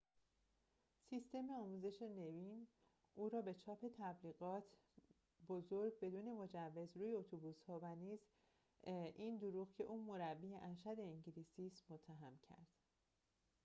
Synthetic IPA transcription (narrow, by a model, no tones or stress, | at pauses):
sist̪e̞meɒːmuːze̞ʃene̞viːn | ʔuːɾɒːbe̞t͡ʃʰɒːpʰe̞t̪ʰæbliːɣɒːt̪ʰ | bo̞zoɾɡ̚be̞d̪uːne̞mo̞d͡ʒævːe̞zɾuːjeot̪ʰobuːshɒːvæniːz | ʔiːnd̪oɾuːɣcʰe̞ʔuːmo̞ɾæbːiːjeʔæɾʃæd̪e̞iɲɟiliːsiːsmot̪ʰːæɦæmcʰæ̰ɾd̪̥